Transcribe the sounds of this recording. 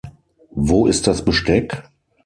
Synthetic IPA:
voːʔɪst̚d̥asb̥əʃtɛk

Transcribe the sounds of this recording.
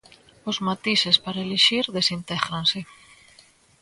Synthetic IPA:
ozmat̪isespaɾaeleʃiɾðesint̪ɛɣɾanse

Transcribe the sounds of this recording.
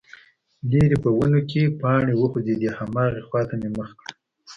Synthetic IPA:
leɾepəwənokepɑɳewəxozed̪ihamɑɣexwɑt̪ameməxkɽə

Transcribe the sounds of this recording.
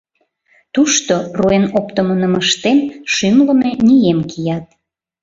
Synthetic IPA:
t̪uʃt̪oroenopt̪əmənəməʃt̪emʃymləmenijemkijɑt̪̚

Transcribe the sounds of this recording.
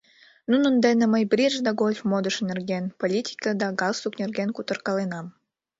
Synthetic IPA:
nunə̆nd̪enĕməjbrʲiʒd̪ɑɡolʲfmod̪əʃnerɣenpolʲit̪ʲi̥kəd̪ɑɡɑlˠsuknʲerɣenkut̪ərkɑlenɑm

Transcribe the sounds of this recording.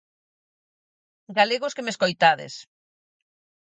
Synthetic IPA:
ɡaleɣʊskemeskojt̪aðḛs

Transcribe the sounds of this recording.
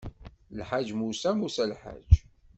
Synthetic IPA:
lħad͡ʒmusæmusælħa̰d͡ʒ

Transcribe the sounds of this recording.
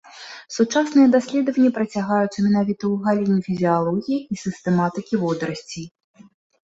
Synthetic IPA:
sut͡ʂasnɨjɛd̪asʲlʲɛd̪əvɐnʲːɐpɾɐt͡sʲaɣajut̪sːɐmʲɛnavʲit̪ɐuɣalʲinʲifʲizʲialˠɔɣʲijiːsʲɨst̪ɛmat̪ɨkʲivɔd̪ɾɐsʲt͡sʲi

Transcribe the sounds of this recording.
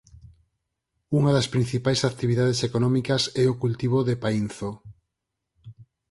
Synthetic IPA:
uŋaðɐspɾin̟θipajsat̪iβiðað̞esekonɔmikɐsɛʊkult̪iβ̞oðepain̟θo

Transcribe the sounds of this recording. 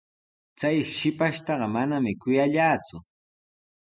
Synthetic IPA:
t͡sajʃɪpaʃt̪ɑɢɑmanamɪkʊjaʎaːt͡sʊ

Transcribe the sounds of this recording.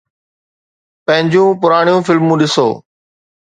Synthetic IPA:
pɐ̃ɦɪ̃ɲd͡ʑũːpʊɾaːɽ̃ijũːfɪlmũːɗɪso̰ː

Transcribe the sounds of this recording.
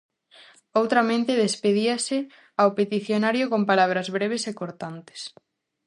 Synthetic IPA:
owt̪ɾɐmẽnt̪eðespeðiase | awpet̪iθjonaɾjokompalaβ̞ɾɐzβɾeβ̞esekoɾt̪ant̪e̥s

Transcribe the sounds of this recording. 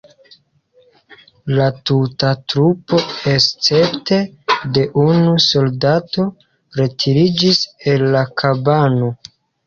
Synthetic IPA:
latutatɾupo̞est͡se̞pte̞de̞ʔunuso̞ldato̞ | ɾe̞tʰiɾid͡ʒise̞lːakʰabano

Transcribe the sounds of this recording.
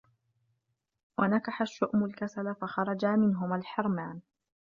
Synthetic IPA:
wʔanakaħaʃːʊʔmʊlkasalafaxɑɾˤɑd͡ʒamɪnɦʊmalħɑɾˤmaːn

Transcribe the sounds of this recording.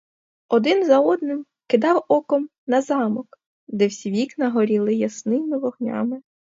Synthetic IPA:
ɔd̪ɪnzɐɔd̪nɪm | kɪd̪ɑwɔkɔm | nɐzɑmɔk | d̪ɛwsʲʋʲiknɐɦɔɾʲilˠɪjɐsnɪmɪʋɔɦnʲɑ̰mɪ

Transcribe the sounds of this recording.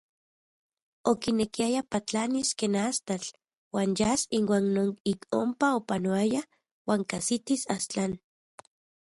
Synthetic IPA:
okinekiajapat͡ɬaniskenast̪at͡ɬ | waːnjasinwaːnnoːnikompaopanoaja | waːŋkasit̪isast͡ɬan

